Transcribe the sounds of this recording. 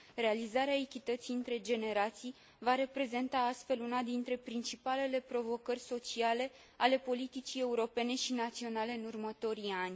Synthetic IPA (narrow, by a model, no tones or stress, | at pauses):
re̞alizaɾeaekʲit̪ət̪siɨnt̪ɾe̞d͡ʒe̞ne̞ɾat̪sij | vaɾe̞pɾe̞ze̞nt̪aast̪fe̞lunad̪int̪ɾe̞pɾint͡ʃipale̞le̞pɾo̞vo̞kərʲso̞t͡ʃiale̞ | ale̞po̞lit̪it͡ʃie̞uɾo̞pe̞ne̞ʃinat̪sio̞nale̞ɨnurmət̪o̞ɾianʲ